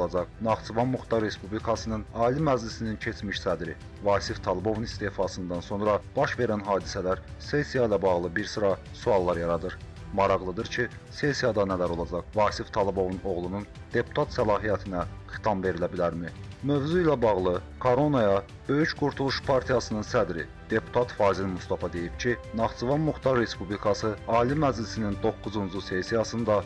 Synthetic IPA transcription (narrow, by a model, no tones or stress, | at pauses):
lˠɑd͡ʒɑqnɑχt͡ʃ̪uvɑnmuxt̪ɑɾɾe̞spublikʰɑsɯnɯnɑːlimæd͡ʒlisinincʰe̞t͡ʃʰmiʃsæd̪ɾi | vɑːsift̪ʰɑlˠibo̞vunist̪e̞ːfɑsɯnd̪ɑnso̞nɾɑb̥ɑʃve̞ɾænɦɑːd̪isælæɾsesijɑilʲˠæbɑʁlˠɯbiɾsɯɾɑ | suɑlˠːɑɾjɑɾɑd̪ɯɾ | mɑɾɑʁlˠɯd̪ɯɾcʰi | se̞sijɑd̪ɑnælæɾo̞lˠɑd͡ʒɑχvɑːsift̪ʰɑlˠibo̞vuno̞ɣlˠunun | d̪̥e̞pʰu̥t̪ʰɑt̪sælˠɑːɦijæt̪ʰinæxi̥t̪ʰɑmve̞ɾilæbilæɾmimø̞vzuilæbɑɣlˠɯkʰo̞ɾo̞nojɑ | bø̞jycɡuɾt̪ʰulˠuʃpʰɑɾt̪ʰijɑsɯnɯnsæd̪ɾḭ | d̪̥e̞pʰu̥t̪ʰɑt̪fɑːzilmust̪ɑfɑd̪e̞jipcʰinɑχt͡ʃuvɑnmuxt̪ɑɾːe̞spublikʰɑsɯɑːlimæd͡ʒlisinind̪o̞kːuzund͡ʒuse̞sijɑsɯnd̪ɑ